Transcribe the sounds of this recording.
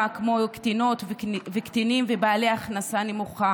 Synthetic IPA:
akmo̞kt̪ino̞t̪vvekt̪inimvebaːleaaχnasanemuχa

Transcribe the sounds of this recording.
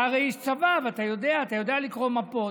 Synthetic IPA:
aɾeist̪t͡savavat̪ajod̪eat̪ajod̪alikɾomapo

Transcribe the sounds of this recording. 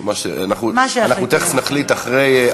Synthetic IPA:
maʃḛa̰naχunaʃananut̪eχefnaχlit̪aχʁej

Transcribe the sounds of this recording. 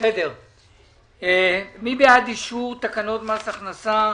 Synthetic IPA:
sed̪eʁ | emibead̪iʃuʁt̪akano̞t̪masaχnasa

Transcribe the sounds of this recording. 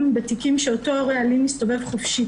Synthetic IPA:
mbet̪ikimʃeotooʁealimisto̞ve̞vχofʃi

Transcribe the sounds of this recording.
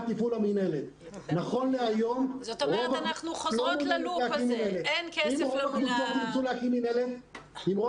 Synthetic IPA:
t̪ifulaminelet̪ | naχo̞nleajomʁovaklomileakinineleimʁovakd̪uʃok̪imsuleakininelet | imʁo

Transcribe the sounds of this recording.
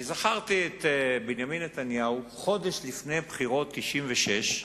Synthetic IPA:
zaχaʁt̪iet̪binjaminːet̪anjauχo̞d̪e̞ʃlifne̞jbχiʁo̞t̪ːiʃimveʃe̞ʃ

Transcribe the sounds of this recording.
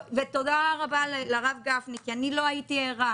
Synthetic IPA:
vetodaʁaballaʁavɡafnikianilo̞aitieʁa

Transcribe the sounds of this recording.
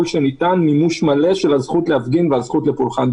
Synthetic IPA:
lʃenitanːimuʃmale̞ʃelhazχutleafɡinveazχutlepulχan

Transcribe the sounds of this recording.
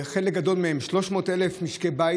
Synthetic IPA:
χelek̚ɡad̪o̞lmehemʃlo̞ʃmo̞ːt̪elefmiʃkeba

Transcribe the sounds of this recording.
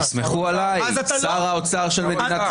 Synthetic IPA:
smeχualajsaʁaot͡saʁʃelme̞d̪inat̪

